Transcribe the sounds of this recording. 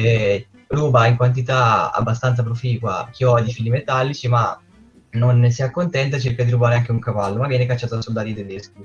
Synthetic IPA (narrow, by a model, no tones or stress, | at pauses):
ruːbaiŋkwant̪̬it̪aa̰bːast̪ant̪sapɾofiːkwa̰k̟iɔd̪ifiːlimet̪alːit͡ʃima | nːonsiakːont̪ɛnt̪at͡ʃerkad̪iɾubaːɾeaŋk̟euŋkavalːomavːjɛːnekat͡ʃːaːt̪oasold̪aːɾjot̪ed̪esku